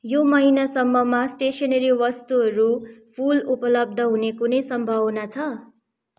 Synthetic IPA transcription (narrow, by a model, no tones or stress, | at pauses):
jomʌɦinasʌmːʌmasʈesʌnʌɾiwʌst̪uɦʌɾupʰulupʌlʌb̚d̪ʱʌɦunekunʌjsʌmbʱʌwnat͡sʰʌ